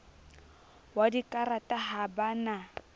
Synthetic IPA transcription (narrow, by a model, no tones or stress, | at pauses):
wadikʼaɾatʼaɦabana